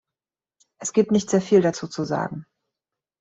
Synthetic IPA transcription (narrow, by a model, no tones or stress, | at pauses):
ʔɛsɡ̥iːp̚tnɪçtz̥eːɐfiːldat͡suːt͡suza̰ːɡŋ̩